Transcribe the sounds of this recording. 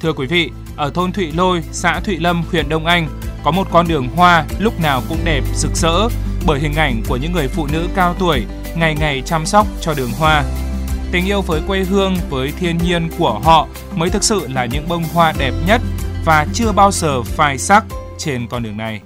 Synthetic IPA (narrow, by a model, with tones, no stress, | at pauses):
t̪ʰɨ˧əkwi˨˦vḭ˧˨ | ʔəː˧˩t̪ʰo˧nt̪ʰwḭ˧˨lo˧jsa̰ː˧˥t̪ʰwḭ˧˨lə˧mxwi˧˨˩ənɗə˧wŋ͡mʔa˧jŋ̟kɔ˨˦mo˨˩t̚kɔ˧nɗɨ˨˩əŋɦwaː˧lʊ˦˥k͡p̚naː˨˩wkʊ̰˧˥ŋ͡mɗɛ˨˩p̚z̥ɨ˨˩k̚sə̰ː˧˥ɓəː˧˩jhï˨˩ŋ̟ʔa˧˩jŋ̟ku˧˩əɲɨ̰˧˥ŋːɨ˨˩əjfṵ˧˨nɨ̰˧˥kaː˧wt̪u˧˩əj | ŋa˨˩jŋa˨˩jt͡ɕa˧msa˦˥wk͡p̚t͡ɕɔ˧ɗɨ˨˩əŋɦwaː˧t̪ï˨˩˦ŋ̟ʔi˧əwvəː˨˦jkwe˧ɦɨ˧əŋvəː˨˦jt̪ʰi˧ənɲi˧ənku˧˩əɦɔ̰˧˨ | məː˨˦jt̪ʰɨ˨˩k̚sɨ̰˧˨laː˨˩ɲɨ̰˧˥ŋɓə˧wŋ͡mɦwaː˧ɗɛ˨˩p̚ɲə˦˥t̚vaː˨˩t͡ɕɨ˧əɓaː˧wzəː˨˩faː˧˩jsa˦˥k̚ | t͡ɕe˧nkɔ˧nɗɨ˨˩əŋna˨˩j